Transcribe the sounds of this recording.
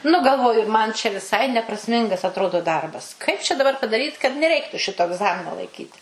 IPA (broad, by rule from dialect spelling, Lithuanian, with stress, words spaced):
nʊ ɡɐlˠˈʋoːjʊ mɐn t͡ʃʲɛ ʋʲɪˈsɐɪ nʲɛprɐsʲˈmʲɪŋɡɐs ɐtˈroːdoː ˈdɐrbɐs kɐɪp t͡ʃʲɛ dɐˈbɐr pɐdɐˈrʲiːt kɐt nʲɛˈrʲɛɪktʊ ˈʃʲɪtoː ɛɡˈzɑːmʲɪnoː lˠɐɪˈkʲiːtʲɪ